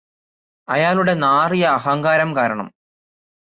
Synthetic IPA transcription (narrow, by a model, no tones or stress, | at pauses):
ɐjaːluɽe̞naːrijɐːɦɐŋɡaːɾɐmkaːɾɐɳɐ̰m